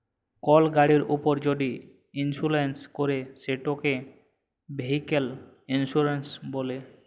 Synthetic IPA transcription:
kɔlɡaɽiɾṵpoɾd͡ʑoɖi | insulenskoɾeʃeʈoke | beɦikel | insuɾensbole

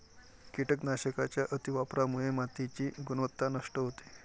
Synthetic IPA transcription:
kiʈəknaɕəkat͡ɕjaʔət̪iʋapɾamuɦemat̪it͡ɕiːɡunʋət̪ːanəʂʈəɦot̪e̥

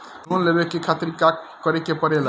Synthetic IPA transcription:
nunlebekekʰat̪ɾikak | kːɔɾekepɔɾela

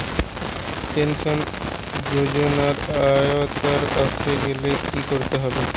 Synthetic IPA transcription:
pensɔn | d͡ʒod͡ʑonaɾajot̪aɾkasʰeɡelekikoɾt̪eɦɔbe

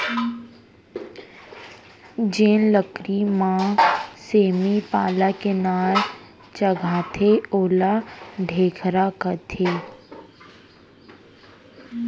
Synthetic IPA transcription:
d͡ʒẽːnləkɾimãseːmipaːlakenaːl | t͡ʃəɡʱaːt̪ʰeoːlaɖʱeːkʰɾakət̪ʰeː

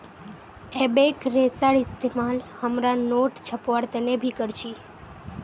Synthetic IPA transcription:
ebekɾesaɽɪst̪emalhəmɾanoʈt͡ʃʰəpʋaɽt̪ənebʱikəɾt͡ʃʰi

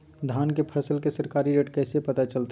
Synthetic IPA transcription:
d̪ʱaːnkepʰəsəlkesəɾkaːɾiɾeʈkɛːsepət̪at͡ʃəlt̪a

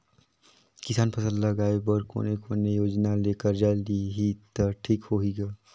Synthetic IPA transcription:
kɪsaːnpʰəsə̃nd̪ləɡaːebɔɾko̰ːnekoːnejoːd͡ʒnaleːkəɾd͡ʒaliɦit̪əʈʰiːkhoːɦiɡaː

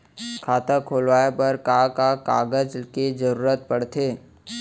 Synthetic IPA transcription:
kʰaːt̪akʰoːlʋaːjepɐɾkaːkaka̰ːɡəd͡ʒked͡ʒəɾuːɾət̪̚pɐɽt̪ʰeː

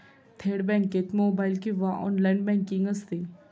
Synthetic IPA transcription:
t̪ʰeːɽbɛ̃ŋket̪moːbaɪlkiʋaʔɔ̰nlajnbɛ̃ŋkːĩŋɡəst̪i

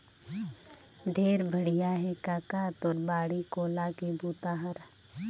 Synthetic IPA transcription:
ɖʱeːɾbʱəɽijaɦɛkaːkaːt̪ɔːɾbaːɽikoːlakebʱuːt̪aːɦəɾ

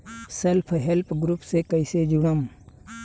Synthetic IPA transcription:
sɐlpʰɦelpɡɾupsekɐised͡ʒuɳ̃əm

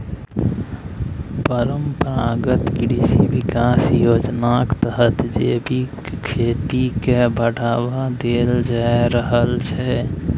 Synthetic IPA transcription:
pəɾəmpəɾaɡət̪kɾisibikasjod͡ʒnakt̪əɦət̪d͡ʒebikkʰet̪ikebʱəɽʱabad̪eld͡ʒaɾəɦəlt͡ʃʰɛ

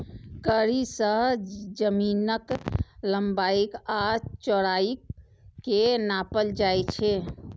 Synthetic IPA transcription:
kəɾisə̃ɦd͡ʒəminəkləmbaikat͡ʃɔɽaik | kːenapəld͡ʒajt͡ʃʰe

